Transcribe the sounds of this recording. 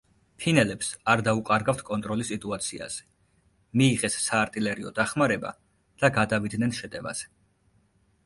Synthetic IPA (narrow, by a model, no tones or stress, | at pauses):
pʰinɛlɛpsaɾd̪auqʼaɾɡaft̪ʰkʼɔnt̪ʼɾɔlisit̪ʼuat̪sʰia̰z̥ɛ̥ | miːʁɛsːaːɾt̪ʼilɛɾiɔ̰d̪aχmaɾɛba̰ | d̪̥aɡad̪avid̪nɛnʃɛt̪ʼɛva̰z̥ɛ̥